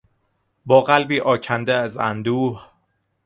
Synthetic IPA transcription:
bɒːɣælbiːʔɒːcʰænd̪eæzæ̰nd̪uːh

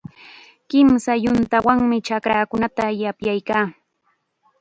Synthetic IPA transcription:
kɪmsajʊnt̪awaŋmɪt͡ʃakɾaːkʊnat̪ajapjajkaː

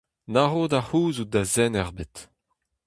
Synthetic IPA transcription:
naʁoːdahuːzud̪azɛnɛʁbet̪

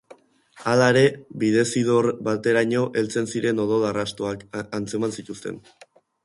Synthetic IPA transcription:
alaeɾe̞βiðe̞siðo̞ɾbat̪e̞ɾaɲo̞ʔe̞lt͡se̞nsiɾe̞no̞ð̞o̞larast̪oakant͡se̞mansit̪ust̪e̞̰n

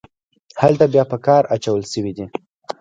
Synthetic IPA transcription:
halt̪abjɑpəkɑɾat͡ʃawəlsəwid̪i

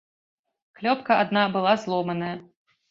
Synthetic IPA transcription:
klʲɔpkɐʔad̪nabɨlˠazlˠɔmɐnɐjɐ

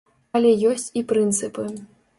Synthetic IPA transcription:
alʲɛjɔsʲt͡sʲipɾɨnt̪sɨpɨ

